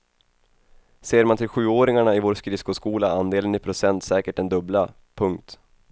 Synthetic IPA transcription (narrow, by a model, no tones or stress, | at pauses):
seːɾmant̪ʰɪlɧʉ̟ːoːɾɪŋaɳaɪvoːɾskɾɪskʊskuːlaand̪eːlənɪpʰɾʊsɛnt̪sɛːkəʈ̚dɛnd̪ɵbla | pʰɵŋkt̪